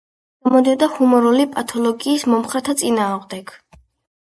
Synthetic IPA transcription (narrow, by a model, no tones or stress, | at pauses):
ɔmɔd̪iad̪ahumɔɾulipʼat̪ʰɔlˠɔɡiːsmɔmχɾɛt̪ʰat̪sʼinaːʁd̪ɛɡ